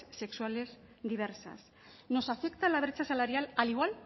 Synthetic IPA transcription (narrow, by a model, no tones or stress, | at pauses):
se̞kswale̞zd̪iβ̞eɾsa̰s | no̞safe̞kt̪alaβ̞ɾet͡ʃasalaɾjalaliɣ̞wal